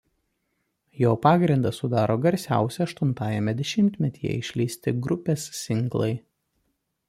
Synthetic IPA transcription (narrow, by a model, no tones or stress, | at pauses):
joːpɑːɡɾʲɪnd̪ɐsʊd̪ɑːɾoːɡɐɾʲsʲæ̰ˑʊsʲɛɐʃt̪ʊnt̪ɑːjɛmʲɛd̪ʲɛʃʲɪmʲt̪ʲmʲɛt̪ʲiːjɛ̰ɪʃʲlʲiːsʲt̪ʲɪɡɾʊpʲeːsːʲɪŋɡlˠɐɪ